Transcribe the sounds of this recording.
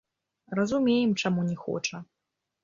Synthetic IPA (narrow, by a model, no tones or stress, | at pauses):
rɐzumʲejɛmt͡ʂamunʲɛxɔ̰t͡ʂɐ